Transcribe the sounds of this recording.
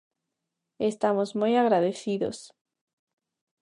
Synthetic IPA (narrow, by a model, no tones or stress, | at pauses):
est̪amozmojaɣɾaðeθiðo̰s